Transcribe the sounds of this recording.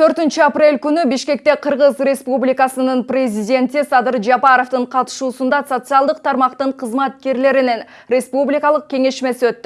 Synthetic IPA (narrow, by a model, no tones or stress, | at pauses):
t̪ʰø̞ɾt̪ynt͡ʃyaprʲe̞lʲkynybiʃke̞k̚t̪e̞qʰɯɾʁəzrʲe̞spublʲɪkɑsɯnɯnprʲezʲidʲe̞nt̪isɑd̪ɨɾd͡ʒɑpɑɾo̞ft̪ɯɴqʰɑt̪ɯ̥ʃuːsund̪ɑso̞t̪sɨɑlˠd̪əq̚t̪ʰɑɾmɑqt̪ɯɴqʰəzmɑt̪̚ke̞ɾle̞ɾinen | rʲe̞spublʲikɑlˠəq̚kʲe̞ŋe̞ʃme̞siø̞t̪ːy